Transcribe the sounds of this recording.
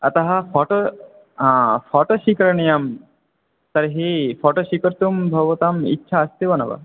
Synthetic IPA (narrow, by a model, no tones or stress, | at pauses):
ɐt̪ɐɦɐfɔʈõ | fɔːʈoʃikɾɐɳijɐm | t̪ɐɾɦifʰɔːʈoʃikɐɾt̪umbʱɐɡʋɐt̪ɐmḭtːʃʰɐːst̪iʋɐnɐʋɐ̰